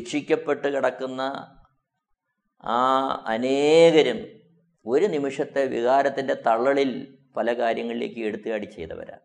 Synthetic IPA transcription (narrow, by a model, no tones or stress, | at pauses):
kʂikʲːɐpːe̞ʈːɨkiɽɐkːunːɐ | a̰ːɐneːɣɐɾɐm | o̞ɾunimiʂɐt̪ːe̞ʋḭɣaːɾɐt̪ːinde̞t̪ɐɭːɐɭil | pɐlɐkaːɾjɐŋːɐɭileːkːɨeɽut̪ːuɣaːɽit͡ɕːe̞jt̪ɐ̰ʋɐ̰ɾa̰ː